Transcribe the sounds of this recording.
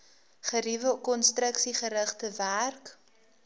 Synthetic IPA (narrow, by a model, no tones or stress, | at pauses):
χəɾivəkɔnstrəksiχəɾəχtəværk